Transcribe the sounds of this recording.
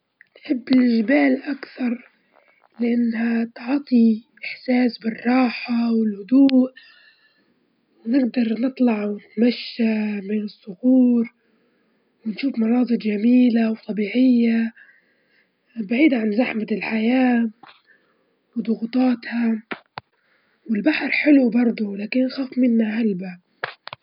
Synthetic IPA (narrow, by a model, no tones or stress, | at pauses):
nħɪbːɪlʔɪʒbaːlʔakθɑɾˤ | lɪʔanːhat̪ʕt̪ˤiʔɪħsaːsbɪrˤːɑːħawɪlhʊd̪uːʔ | nɪɡd̪ɑɾˤnɨt̪ˤlɑʕwɪt̪maʃːamɪnɨsˤːʊɣuːɾ | wɪnʃuːfmɑɾˤɑːsˤɨd̪ˤd͡ʒamiːlawt̪ˤɑbiːʕɪjːa | baʕiːd̪ʕanzaħmat̪ɪlħajaː | wd̪ˤʊɣʊt̪ˤɑːt̪ha | wɪlbaħɾħɪlubɑɾˤd̪ˤʊlaːkɪnːxaːfmɪnːahalba